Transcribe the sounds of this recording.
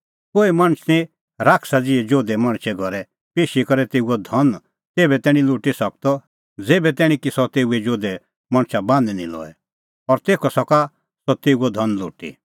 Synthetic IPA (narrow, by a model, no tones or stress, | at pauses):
koːimɐ̃ɽ̃t͡ʃʰnĩ | ɾaːkʰsad͡ziɛd͡ʒoːd̪ɛmɐ̃ɽ̃t͡ʃʰɛɡʱɔɾɛ | peːʃikɔɾɛt̪eːuɔd̪ʱɔn | t̪eːbɛt̪ɛːɽ̃ĩluːʈisɐk̚t̪ɔ | d͡zeːbɛt̪ɛːɽ̃ĩkisɔt̪eːuɛd͡ʒoːd̪ɛ | mɐ̃ɽ̃t͡ʃʰabãːnd̪ɛnḭ̃lɔ̰ːɛ | ɔɾt̪eːkʰɔsɔka | sɔt̪eːuɔd̪ʱɔnlo̰ːʈḭ